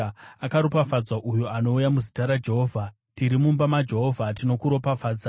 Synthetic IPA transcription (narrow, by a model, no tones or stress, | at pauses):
akaɾopafad͡zwaʔujuano̞ujamuzitaɾad͡ʒe̞ɦoːvʱa | tiɾimumbamad͡ʒe̞ɦo̞vʱatino̞kuɾo̞pafaːd͡za